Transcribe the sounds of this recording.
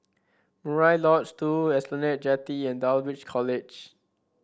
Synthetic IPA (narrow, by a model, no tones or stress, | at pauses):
muɹajlɔtstuɛslɔnɛt̚d͡ʒɛtiɛ̃ndalwit͡ʃkʰɔled͡ʒ